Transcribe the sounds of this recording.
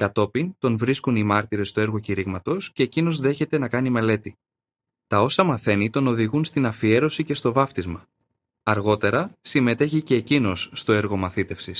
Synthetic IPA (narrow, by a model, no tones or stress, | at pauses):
kɐt̪o̞pint̪o̞nvɾiskunimɐɾt̪iɾe̞st̪ue̞ɾɣociɾiɣmɐt̪o̞sce̞ːcino̞zðe̞çe̞t̪e̞nɐkɐnime̞le̞t̪i | t̪ɐo̞sɐmɐθe̞nit̪o̞no̞ðiɣunst̪inɐfie̞ɾo̞sice̞st̪o̞vɐft̪izmɐ | ɐɾɣo̞t̪e̞ɾɐsime̞t̪e̞çice̞ːcino̞sːt̪o̞e̞ɾɣo̞mɐθit̪e̞fsis